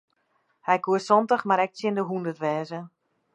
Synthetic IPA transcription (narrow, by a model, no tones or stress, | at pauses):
hɛjkuəsɔntəxmaɾɛk̚sjɪndəɦundərtʋɛːzə